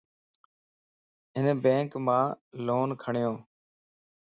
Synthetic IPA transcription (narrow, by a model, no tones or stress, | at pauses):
ɦɪnbẽːŋkmãːloːnkʰəɳɪjõː